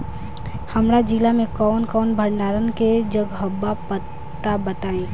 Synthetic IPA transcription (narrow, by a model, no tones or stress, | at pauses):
həmɾad͡ʒilamẽkɔːnkɔːnbʱəɾnaɾənked͡ʒəɡɦəbːapət̪ːabət̪aẽ